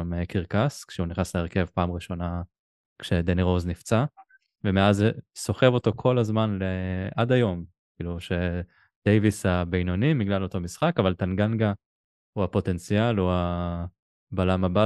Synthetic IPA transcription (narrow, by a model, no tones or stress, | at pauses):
mekiʁkaskʃeuniχnasleeʁke̞vpaːmʁiʃo̞na | kʃed̪eniʁoznift͡sa | vemeazso̞χevo̞t̪o̞kʰo̞lazmanleʔad̪ajo̞m | kiːluʃe̞ | d̪̥ejvishabejnonimiɡlalo̞t̪o̞misχakavalt̪anɡanɡa | huapo̞t̪e̞nt͡sialua | balamaba